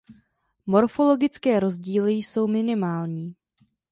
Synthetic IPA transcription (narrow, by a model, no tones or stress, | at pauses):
mo̞ɾfo̞lo̞ɡɪt͡skɛːɾo̞zɟiːlɪjso̞wmɪnɪmaːlɲiː